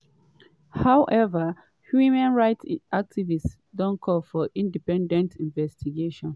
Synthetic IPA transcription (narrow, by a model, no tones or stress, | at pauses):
haʊʔɛvə | hjumãnɹaɪtʔak̚tʰivist | dɔ̃nkʰɔlfɔʔĩndipɛ̃ndɛ̃ntʰĩnvɛstʰiɡeʃɔ̃n